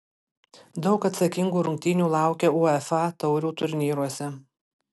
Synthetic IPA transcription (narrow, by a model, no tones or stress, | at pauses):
d̪ɒʊkɐt̪sɐkʲɪŋɡuːɾʊŋʲkʲt̪ʲiːnʲuːlˠɑˑʊkʲeuɛfɑt̪ɒʊɾʲuːt̪ʊɾʲnʲiːɾuɔsʲɛ